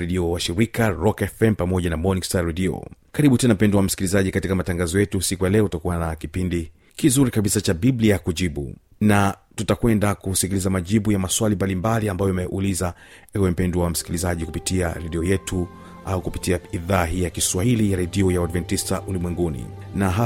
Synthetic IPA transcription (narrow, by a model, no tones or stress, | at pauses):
ɾɛɗiɔwaʃiɾikaɾɔkɛfɛmpamɔʄanamɔnikstaɾɛdiɔ̰kaɾiɓutɛnam̩pɛnduwam̩si̥kilizaʄikatikamataŋɡazɔjɛtusikujalɛɔtakuwanakipindi | kizuɾikaɓisat͡ʃaɓibliakuʄiɓṵ | natutakwɛndakusikilizamaʄiɓujamaswalimbalimbaliambajɔmɛʔulizaɛwɛm̩pɛnduwam̩si̥kilizaʄikupitiaɾɛɗiɔjɛtu | aukupitiaiðaːɦijakiswahilijaɾɛdiɔjawadvɛntistaʔulimwɛŋɡunḭnaɦa